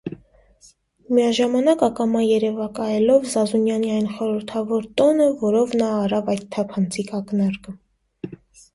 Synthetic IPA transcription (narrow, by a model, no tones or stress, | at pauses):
miɑʒɑmɑnɑkɑkɑmɑjɛɾɛvɑkɑjɛlɔvzɑzunjɑniɑjnχɔɾəɾt̪ʰɑvɔɾt̪ɔnəvɔɾɔvnɑːrɑvɑjt̪ʰːɑpʰɑnt͡sʰikʰɑknɑɾkə